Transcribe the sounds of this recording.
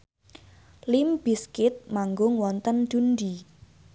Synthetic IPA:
limb̥iskɪt̪̚maŋɡʊŋwɔnt̪ənd̪̥undi

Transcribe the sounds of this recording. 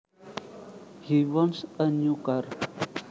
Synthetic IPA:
hiwɔnsəɲukar

